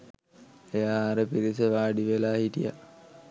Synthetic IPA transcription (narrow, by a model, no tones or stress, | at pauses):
ejaːɾəpiɾisəʋaːɖiʋelaːhiʈija̰